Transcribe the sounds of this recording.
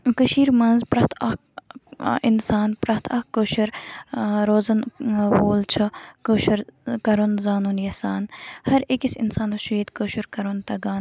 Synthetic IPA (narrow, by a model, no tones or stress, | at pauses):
kəʃiːɾmɐnzpɾɐht̪ʰɐk | insaːnpɾɐt̪ʰɐhkoːʃɐɾ | ɾoːzɐnwoːlt͡ʃʰɐkoːʃɐɾkɐɾonzaːnuːnjɐsaːnhɐɾekisinsaːnɐʃuiːt̪koːʃuɾkɐɾont̪ɐɡaːn